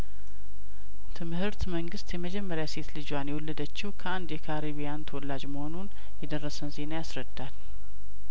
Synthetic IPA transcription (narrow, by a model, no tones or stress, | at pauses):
t̪ʰɨmhɨɾt̪məŋɡɨst̪jɛməd͡ʒɛmːəɾjase̞t̪lɨd͡ʒwanjɛwɔlːəd̪ət͡ʃːɪwkʰəand̪jɛkʰaɾiβijant̪ʰəwɔlːad͡ʒməho̞nun | jɛd̪ərːəsənze̞najasɾəd̪ːal